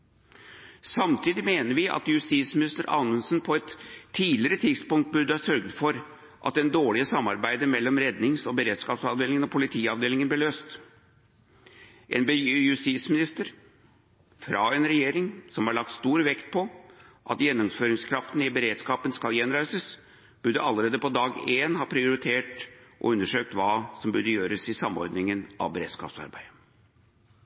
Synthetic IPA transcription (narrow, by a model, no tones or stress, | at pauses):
sɑmt̪ʰiːd̪ɪmeːnəɾʋɪʔɑ̰t̪jʉst̪iːsmɪnɪst̪əɾʔɑ̰ːnənsnpʰɔɛt̪ʰːiːlɪɾət̪ʰɪd̪spʊŋkt̪̚bʉɾd̪əɑsœɾɡd̪fɔɾ | ʔɑ̰t̪ːɛnd̪oːɭɪəsɑmːɑɾbæɪd̪əmɛlːɔmɾɛd̪nɪŋsɔbəɾeːd̪skɑːpsɑʋd̪eːlɪŋənɔpʰʊlɪt̪ʰiːɑʋd̪eːlɪŋənblɪɭøːst̪ | ʔḛnbəjʉst̪it̪smɪnɪst̪əɾ | fɾɑɛnɾɛjeːɾɪŋsɔmhɑɭɑk̚t̪st̪uːɾʋɛkt̪̚pʰɔʔɑt̪jɛnːʊmføːɾɪŋskʰɾɑft̪n̩ɪbəɾeːd̪skɑːpənskɑljɛnɾæɪsəs | b̥ʉd̪əʔɑlːəɾeːd̪əpɔd̪ɑːɡeːnhɑːpʰɾɪʊɾɪt̪ʰeːʈʔɔ̰ʉnːəʂøːk̚t̪ʋɑːsɔmbʉd̪əjøːɾəsɪsɑmːɔ̰ɾd̪nɪŋənɑ̰ʋbəɾeːd̪̥skɑ̰ːpsɑ̰ɾbæ̰ɪd̪ə